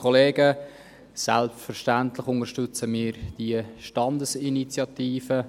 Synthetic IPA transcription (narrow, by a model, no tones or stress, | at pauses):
ɔleːɡə | sæ̰lptfəɾʃtæntlɪχʊnəʃtʏt͡səmɪːɾd̥iəʃtɑndəsinit͡sjɑt̪iːfə